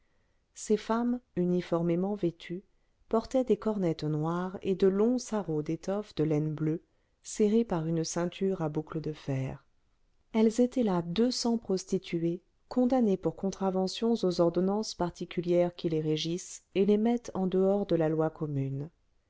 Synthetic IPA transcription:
sefamynifɔʁmemɑ̃vet̪ʰy | pɔʁt̪ɛd̪ekɔʁnɛt̪nwaʁed̪əlɔ̃saʁod̪et̪ɔfd̪əlɛnblø | seʁepaʁynsɛ̃t̪ʰyʁabukləd̪əfɛːʁ | ɛlzet̪ɛlad̪øsɑ̃pχɔst̪it̪ʰye | kʰɔ̃d̪anepuʁkɔ̃t̪χavɑ̃sjɔ̃zozɔʁd̪ɔnɑ̃spaʁt̪ikʲyljɛʁkʲileʁeʒiselemɛt̪ɑ̃d̪əɔʁd̪əlalwakɔmyn

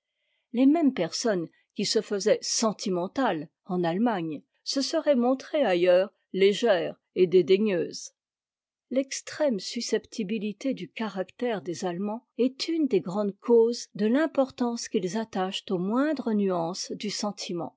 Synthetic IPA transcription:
lemɛmpɛʁsɔn | kʲisəfəzɛsɑ̃t̪ʰimɑ̃t̪al | ɑ̃nalmaɲ | səsəʁɛmɔ̃t̪χeajœːʁ | leʒɛːʁ | ed̪ed̪eɲøːz | lɛkst̪χɛmsysɛpt̪ʰibilit̪ed̪ykaʁakt̪ɛʁd̪ezalmɑ̃ɛt̪ʰynd̪eɡʁɑ̃d̪kʰozd̪əlɛ̃pɔʁt̪ɑ̃skilzat̪aʃt̪omwɛ̃d̪ʁənyɑ̃sd̪ysɑ̃t̪ʰimɑ̰̃

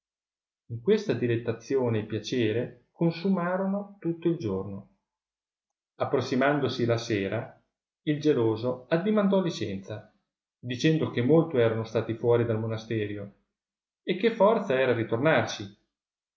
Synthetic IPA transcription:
iŋkwest̪ad̪ilet̪ːat̪sːjoːnepjat͡ʃeːɾe | konsumaːɾonot̪ut̪ːoild͡ʒorno | apːɾosːimand̪osilaseːɾa | ild͡ʒeloːzoad̪ːimand̪ɔlit͡ʃɛ̰nt̪sa | d̪it͡ʃɛnd̪okemːolt̪oɛːɾanost̪aːt̪ifwɔːɾid̪almonast̪ɛːɾjo | ekːefːɔrt̪saɛːɾaɾit̪ornart͡ʃi

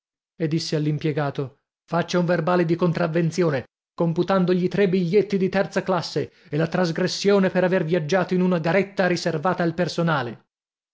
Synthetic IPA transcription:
ed̪ːisːealːimpjɛɡaːt̪o | fat͡ʃːauɱverbaːled̪ikont̪ɾavːent̪sjoːne | komput̪and̪oʎit̪ɾebiʎːet̪ːid̪it̪ɛrt̪saklasːeelat̪ɾazɡɾesːjoːnepeɾavervjad͡ʒːaːt̪oinunaɡaɾet̪ːaɾiservaːt̪aːlpersonaːle

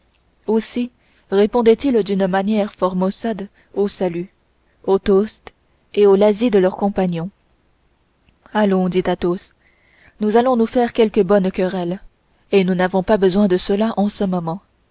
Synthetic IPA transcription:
osi | ʁepɔ̃d̪ɛt̪ild̪ynmanjɛʁfɔʁmɔsad̪ | osaly | ot̪ost̪ | eolazid̪əlœʁkɔ̃paɲjɔ̃ | alɔ̃d̪it̪at̪os | nuzalɔ̃nufɛʁkʲɛlkəbɔnkʲəʁɛl | enunavɔ̃pabəzwɛ̃d̪əsəlaʔɑ̃səmɔmɑ̃

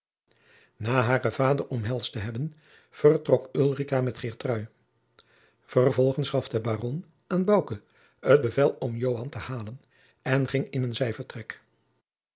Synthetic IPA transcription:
naːɦaːrəv̥aːdərɔmɦɛlˠstəɦɛbən | v̥ərtrɔkylˠrikaːmɛtχɪːɹtrœɥ | v̥ərvɔlˠχənsχɑfdəbaːrɔn | aːnbɑwkə | əd̚bəvɛlˠɔmjowɦɑntəhaːlən | ɛnχɪŋɪnənzɛjvəɹtrɛk

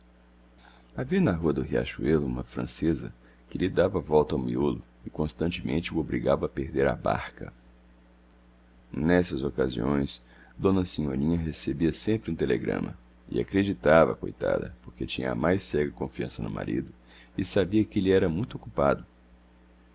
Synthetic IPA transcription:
aviɐnɐɦuɐd̪ʊɦia̰ʃuelṵ̃mɐfɾɐ̰̃sezɐ | kɪlɪd̪avɐvɔwt̪ɐawmiolʊ | ɪkõst̪ɐ̃nt͡ʃɪmḛ̃nt͡ʃɪuobɾiɡavɐːpehd̪eɾa̰ba̰ɾkɐ̰ | nɛsɐzokazḭõ̰j̃s | d̪õnɐsĩɲoɾĩɲɐɦesebiɐsẽmpɾɪũt̪eleɡɾɐ̰̃mɐ̰ | ɪ̰a̰kɾed͡ʒit̪avɐ̰kojt̪a̰d̪ɐ̰poɾket͡ʃĩɲɐ̰amajsɛɡɐkõfiɐ̃sɐnʊma̰ɾḭd̪ʊ | ɪsabiɐkliɛɾɐmũj̃t̪okupad̪ʊ

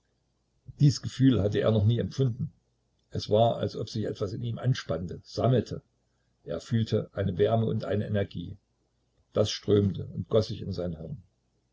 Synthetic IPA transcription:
d̥iːsɡ̥əfyːlhatəʔḛːɐnɔχniːɛmfʊndn̩ | ʔɛsv̥aːɐa̰lsʔɔpz̥ɪçʔɛ̰tv̥asɪniːmʔa̰nʃpantəz̥aml̩tʰə | ʔeːɐfyːltʰəʔaɪnəvɛɐməʊntʔa̰ɪnəʔɛnɛɐɡḭː | d̥asʃtʁ̥øːmtəʊntɡ̥ɔszɪçɪnzaɪnɦɛʁn

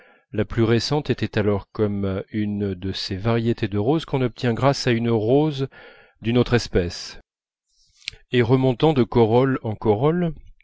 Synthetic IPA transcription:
laplyʁesɑ̃t̪ɛt̪ɛt̪alɔʁkɔmynd̪əsevaʁjet̪ed̪əʁozkɔ̃nɔp̚t̪jɛ̃ɡʁasaynʁoz | d̪ynot̪χɛspɛs | eʁəmɔ̃t̪ɑ̃d̪əkɔʁɔlɑ̃kɔʁɔl

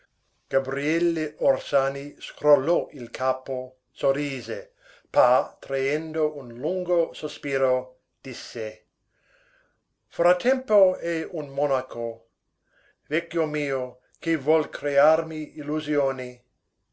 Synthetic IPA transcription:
ɡ̥abɾiɛlːeorsaːniskɾolːɔʔilkʰaːpo | soɾiːze | pat̪ɾaend̪oʔunluŋɡosospiːɾo | d̪̥isːe | fɾat̪ʰːɛmpoɛunmɔnako | vɛkjomiːo | k̟evwɔlkʰɾearmiiluzjoːni

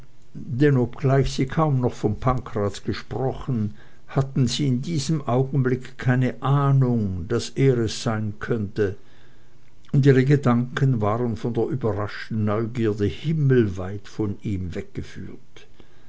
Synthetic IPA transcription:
d̥ɛnɔpɡ̥laɪçz̥iːkʰaʊmnɔχfɔnpʰaŋkʁ̥aːtɡ̥əʃpʁ̥ɔχn̩ | hatn̩ziːɪndiːzəmʔaʊɡn̩blɪkkʰːaɪnəʔaːnʊŋd̥asʔeːʁɛsz̥aɪnkʰœntə | ʊndiːʁəɡədaŋkənvaːʁənfɔndeːɐʔyːbɐʁaʃtn̩nɔʏɡiːɐdəhɪml̩vaɪtfɔniːmvɛk̚ɡ̥əfyːɐt

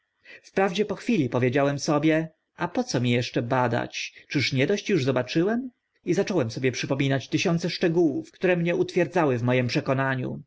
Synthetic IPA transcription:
fpɾavd͡ʑɛpɔxfʲilʲipɔvʲjed͡ʑawɛmsɔbʲjɛ | ʔapɔt̪sɔmʲijɛʂt͡ʂɛbad̪a̰t͡ɕt͡ʂɘʂɲɛd̪ɔɕt͡ɕjuʐzɔbat͡ʂɘwɛm | izat͡ʂɔwɛmsɔbʲjɛpʂɘpɔmʲinat͡ɕt̪ɘɕɔnt̪sɛʂt͡ʂɛɡuwufkt̪uɾɛmɲɛʔut̪fʲjɛɾd̪zawɘvmɔjɛmpʂɛkɔnaɲṵ

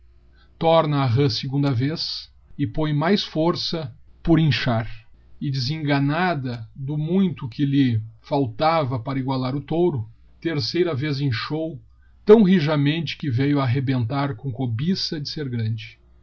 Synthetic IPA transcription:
t̪ɔɾnɐːɦɐsɪɡũnd̪ɐves | ɪpõj̃majsfoɾsɐpʊɾẽʃaɾɪd͡ʒɪzẽŋɡɐnad̪ɐd̪ʊmũj̃t̪ʊkʰɪlɪfawt̪avɐpaɾɐiɡwalaɾʊt̪owɾʊ | t̪eɾsejɾɐvezẽj̃ʃow | t̪ɐ̃w̃ɦiʒɐmẽnt͡ʃɪ̥kɪvejʊaːɦebẽnt̪aɾkõkobisɐd͡ʒɪseɾɡɾɐ̃nd͡ʒɪ

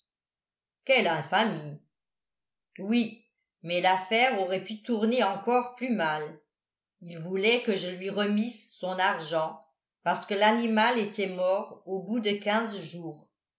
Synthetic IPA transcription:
kɛlɛ̃fami | wi | mɛlafɛʁoʁɛpyt̪uʁneɑ̃kɔʁplymal | ilvulɛkəʒəlɥiʁəmisːɔ̃naʁʒɑ̃ | paʁsə̥kəlanimalet̪ɛmɔʁobud̪əkʲɛ̃zʒuːʁ

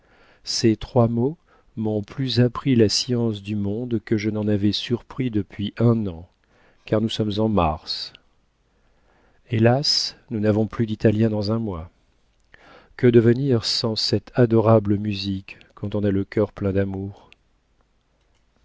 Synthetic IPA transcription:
set̪χwamo | mɔ̃plyzapχilasjɑ̃sd̪ymɔ̃d̪kəʒənɑ̃navɛsyʁpχid̪əpɥiʔɛ̃nɑ̃ | kaʁnusɔmzɑ̃maʁs | elasnunavɔ̃plyd̪it̪aljɛ̃d̪ɑ̃zɛ̃mwa | kəd̪əvəniʁsɑ̃sɛt̪ʰad̪ɔʁabləmyzikː | ɑ̃t̪ɔ̃naləkʲœʁplɛ̃d̪amuːʁ

